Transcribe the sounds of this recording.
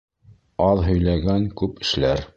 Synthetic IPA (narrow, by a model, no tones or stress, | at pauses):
ɑðɦɵ̆jlæɡæŋkʉpɘ̆ʃlæɾ